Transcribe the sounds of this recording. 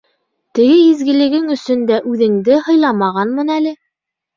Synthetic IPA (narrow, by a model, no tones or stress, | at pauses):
t̪ɘ̆ɡɘizɡɘ̆lɘ̆ɡɘŋɵ̆sɵ̆nd̪æʔʉðɘ̆ŋd̪ɘhɤ̆jlˠɑmɑʁɑnmɤnælɘ